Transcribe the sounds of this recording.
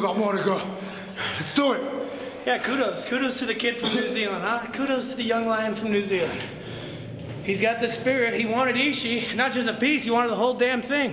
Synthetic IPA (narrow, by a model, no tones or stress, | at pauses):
ɡɑt̚mɔɹɾɨɡoʊ | lɨtsd̥uɪt̚ | jækʰʉɾoʊz̥kʰʉɾoʊz̥tʰɨðɨkʰɪd̥fɹʌ̃mnʉzilˠə̃ndakʰʉɾoʊz̥tʰɨðɨjʌ̃ŋlãɪ̃nfɹʌ̃mnʉzilˠə̰̃nd̥ | hizɡɑt̪̚ðɨspɪɹɪt̚hiwɑ̃ɾ̃ɨɾiʃinət̚d̥ʒ̥ʌs̬tɨpishiwɑ̃ɾəd̪̚ðəɦoʊlˠdæ̃mθɪ̃ŋ